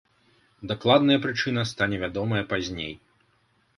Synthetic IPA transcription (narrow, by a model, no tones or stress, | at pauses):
d̪aklˠad̪nɐjɐpɾɨt͡ʂɨnɐst̪anʲɛvʲad̪ɔmɐjɐpazʲnʲej